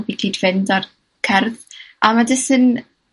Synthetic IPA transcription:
bikʰiːdv̥ɪndar | kʰɛrðamadɪsɨn

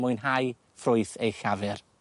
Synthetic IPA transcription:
mʊjnɦaj | frʊɨθejxavɛr

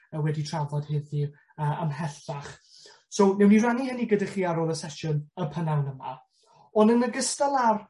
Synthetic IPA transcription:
əwɛditʰr̥avɔd̥hɪði | əːamɦɛθaχ | sownɛwniranihəniɡədaχiːaɾoːlˠəsɛʃʊnəpʰənawnəma̰ | ɔnənəɡəstalˠar

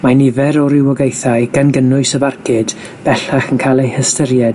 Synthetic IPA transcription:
manɪvɛɾɔɾɪwəɡejθaɨɡanɡənʊɨsəbarkʰɪd̥ | b̥ɛɬaχənkʰalˠejhəstəɾjɛd̥

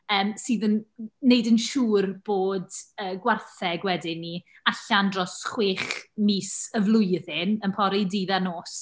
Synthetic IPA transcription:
əːmsɨːðənːejdənʃuːrb̥oːdəːɡwarθɛɡwɛdɪni | aɬandrɔsχweːχmiːsəvlˠʊjðɪnənpʰɔɾidiːðanoːs

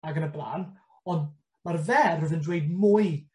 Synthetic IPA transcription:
aɡənəblˠa̰ːn | ɔnd | marvɛrəðɪndwejd̚mʊɨ

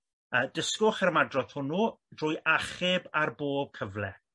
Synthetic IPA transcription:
əːdəskʊχɛɾəmadrɔθhʊnudrʊːjʔaχɪbarboːb̥̚kʰəvlɛ̰

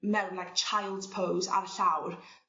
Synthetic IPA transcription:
mɛwnlajk̚t͡ʃʰajlˠdz̥pʰowza̰ɾəɬawr

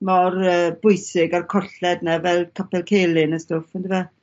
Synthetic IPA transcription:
mɔrəːbʊjsɪɡarkʰɔɬɛdnɛvɛlˠkʰɔpɛlˠkʰelˠɪnəstʊfɔndɪva

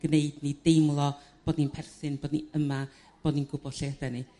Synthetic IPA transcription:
ɡ̥neɨdnidejmlˠɔb̥oːdninpʰɛrθɨnboːdniəma | b̥oːdninɡʊbɔd̥ɬedɛni

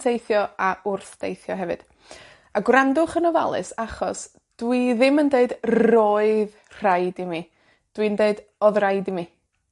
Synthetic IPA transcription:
tʰejθjɔaʊrθd̥ḛjθjɔ̰ɦɛvɨ̰d̥ | aɡwrandʊχənɔva̰lˠɨ̰saχɔs | d̥wiðɪməndeɨdroɨð | r̥ajdimi | d̥wiəndeɨd | ɔðrajdimi

